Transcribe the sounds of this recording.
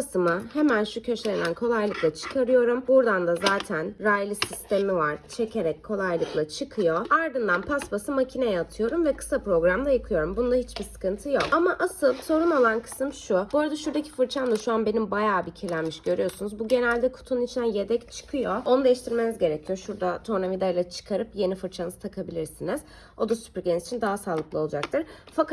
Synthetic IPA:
sɯmɯhemænʃucʰøʃenænkʰo̞lˠajlˠɯklˠat͡ʃʰɯ̥kʰaɾɯjo̞ɾumbuɾd̪and̪azaːt̪ʰænɾajlʲˠisist̪ʰe̞mivaɾ̥t͡ʃʰe̞cʰe̞ɾɛc̚kʰo̞lˠajlˠɯklˠat͡ʃʰɯkʰɯjo̞aɾd̪ɯnd̪anpʰasbasɯmacʰinejɛat̪ʰɯjo̞ɾumvɛkʰɯ̥sapɾo̞ɡɾamd̪ˠajɯkʰɯjo̞ɾumbunlˠahit͡ʃbisɯ̥kɯnt̪ʰɯjo̞kamaʔasɯlˠso̞ɾuno̞lˠankʰɯ̥sɯmʃuboɾad̪aʃuɾd̪acʰi̥fɯɾt͡ʃʰand̪aʃuanbe̞nimbajaːbicʰiɾlʲænmiʃɟø̞ɾyjo̞sunuzbuɟe̞nælʲd̪ɛkʰu̥t̪ʰununit͡ʃʰind̪ænje̞d̪ɛct͡ʃʰɯ̥kʰɯjo̞o̞nud̪e̞jiʃt̪ʰiɾmenizɟe̞ɾecʰijo̞ʃuɾd̪at̪ʰoɾnavid̪ajlʲˠɛt͡ʃʰɯ̥kʰaɾɯpje̞nifɯɾt͡ʃʰanɯzɯt̪ʰakʰabilʲiɾsiniz̥ | o̞d̪asy̥pɾɟenizit͡ʃʰind̪aɦasaːlˠɯklˠɯo̞lˠud͡ʒak̚t̪ʰɯɾfakʰa

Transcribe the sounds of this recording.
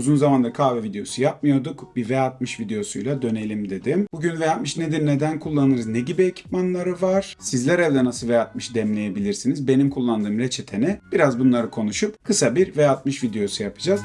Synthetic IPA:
uzunzamand̪akʰaːvɛvid̪ejo̞sujap̚mɯjo̞d̪ukbivejat̪̚mɯʃvid̪e̞jo̞sujlˠad̪ø̞ne̞lʲimd̪e̞d̪imbuɟynvejat̪̚mɯʃned̪iɾne̞d̪ænkʰulˠːanɯɾɯznɛɟibiecʰi̥pmanlˠaɾɯvaɾ̥sizlʲɛɾɛlʲd̪ɛnasɯlˠvejat̪̚mɯʃd̪ɛmlʲe̞je̞bilʲiɾsinizbe̞nimkʰulˠːand̪ɯːmɾet͡ʃʰe̞t̪ʰe̞nib̥iɾazbunlˠaɾɯkʰo̞nuʃupkʰɯsabiɾvejat̪̚mɯʃvid̪e̞jo̞sujapʰɯ̥d͡ʒaz̥

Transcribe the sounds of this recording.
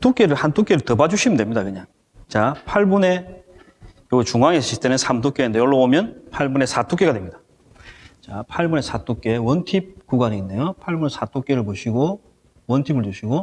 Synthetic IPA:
tʰok͈e̞ɾɯɭhantʰok͈e̞ɾɯɭtʌbad͡ʑuɕʰimndwemɲidakɯɲaŋ | t͡ɕapʰaɭbune̞ | joɡt͡ɕuŋaŋesʰʌɕʰiɭt͈e̞nɯnsʰamtʰok͈enind̪ejoɭːoomjʌnpʰaɭbune̞sʰat͈ʰok͈e̞ɡadwemɲid̥ḁ | t͡ɕapʰaɭbune̞sʰat͈ok͈e̞wʌntʰip̚kuɡaɲiːnːe̞jopʰaɭbunesʰat͈ʰok͈e̞ɾɯɭpoɕʰiɡo | wʌntʰibɯɭd͡ʑuɕʰiɡo

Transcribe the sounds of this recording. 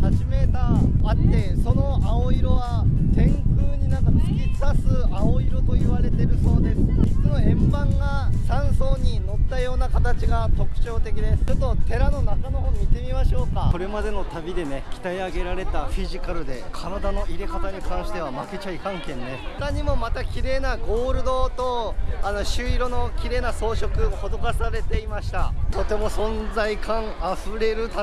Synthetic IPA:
haʑime̞t̪aːt̪ːe̞so̞no̞aoiɾo̞βat̪ẽ̞ŋkɯːɲ̟inãŋkai̥kʲid̪asɨaoiɾo̞t̪o̞iβaɾe̞t̪e̞ɾɯ̟so̞ːd̪e̞sɨ̥konoẽ̞mbãŋɡasãɰ̃so̞ːɲ̟ino̞t̪ːajo̞ːnakat̪at͡ɕiɡat̪o̞kɯ̟̥t͡ɕo̞ːt̪e̞kʲid̪e̞ɯt̪ːo̞t̪e̞ɾano̞nakano̞ɦoːmʲit̪e̞mʲimaɕo̞ːkao̞ɾe̞mad̪e̞no̞t̪abʲid̪e̞nekʲi̥t̪aiaɡe̞ɾaɾe̞t̪aɸʲiʑikaɾɯ̟d̪e̞kʰaɾad̪ano̞iɾe̞kat̪aɲ̟ikãɰ̃ɕi̥t̪e̞β̞amake̞t͡ɕaikãŋkẽ̞nːe̞kaɲ̟imo̞mat̪akʲiɾe̞ːnaɡo̞ːɾɯ̟d̪o̞ːt̪o̞ano̞ɕɨːiɾo̞no̞kʲiɾe̞ːnaso̞ːɕo̞kɯ̟ho̞d̪o̞kasaɾe̞t̪e̞imaɕi̥t̪at̪o̞t̪e̞mo̞sõ̞nzaikãŋaɸɯ̟ɾe̞ɾɯ̟t̪a

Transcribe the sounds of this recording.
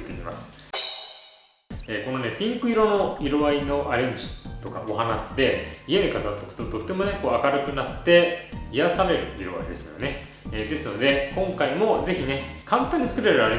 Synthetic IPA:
t̪ːekʲima̰sɨ̥ | eːko̞no̞ne̞pʲĩŋkɯ̟iɾo̞no̞iɾo̞βaino̞ʔaɾẽ̞ɲ̟d͡ʑi̥t̪o̞ka̰oɦanad̪e̞ieɲikazat̪ːo̞kɯ̟̥t̪o̞t̪o̞t̪ːe̞mo̞ne̞ko̞ːakaɾɯ̟kɯ̟nat̪ːe̞ijasaɾe̞ɾɯ̟iɾo̞βa̰id̪e̞sɨjo̞̰ne̞ | d̪e̞sɨno̞d̪e̞kõ̞ŋkaimo̞ze̞çine̞kʰãnt̪ãɲ̟ːit͡sɨ̥kɯɾe̞ɾɯ̟aɾe

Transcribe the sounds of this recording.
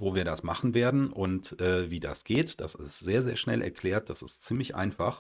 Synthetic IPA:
voːviːɐɾasmaχn̩veːɐdn̩ʔʔʊntʔɛːviːdasɡ̥eːtd̥a̰sɪstz̥eːɐzeːɐʃnɛ̰lʔɛ̰ɐkʰl̥ɛːɐt̚d̥asɪstt͡siːmlɪçʔa̰ɪnfaχ

